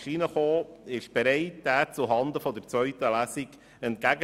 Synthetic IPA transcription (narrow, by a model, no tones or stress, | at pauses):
ʃinəχoːɪʃb̥ɛɾɛɪt̚d̥æːt͡suɦɑnd̪əfɔd̪əɾt͡sʋœɥtəlæsiɡ | ɛnt̚kæɡə